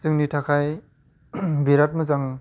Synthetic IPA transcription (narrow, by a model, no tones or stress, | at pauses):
zɯŋnitʰakʰaj | biɾat̚mɯzaŋ